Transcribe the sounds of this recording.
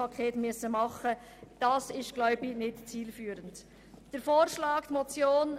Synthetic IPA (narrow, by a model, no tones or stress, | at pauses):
ɑkʰeːtmyəsəmɑχə | d̥ɑsɪstɡ̥lœʏbɪnɪtt͡siːlfyːɾənt | d̥əɾfoːɾʃlɑːktmot͡sjoːn